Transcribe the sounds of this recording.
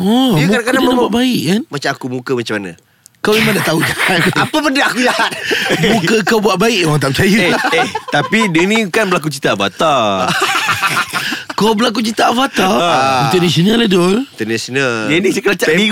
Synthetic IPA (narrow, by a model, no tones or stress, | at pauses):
ɔmũadakadaabubaʔ̚baɪʔkanmat͡ʃamakumũkəmat͡ʃamanã | kawmemãŋdaʔt̪aud͡ʒaat̪apabəndaakujahat̪̚mũkəkawbuaʔ̪̚baɪʔwaŋt̪ap̚t͡ʃajueht̪apidənĩkanbəlak̬ut͡ʃit̪aafa̰t̪a | kawbəlak̬ut͡ʃit̪aafat̪ainənasionaladolint̪ənasonaldənikəlat͡ʃai